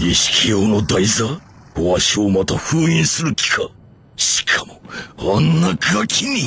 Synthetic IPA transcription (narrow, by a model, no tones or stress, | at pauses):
iɕi̥kʰʲijoːno̞d̪aiza | oaɕio̞mat̪aɸɯːĩɰ̃sɨɾɯ̟kʲi̥kʰa | ɕi̥kʰamo̞βanːakɯakʲʰinʲi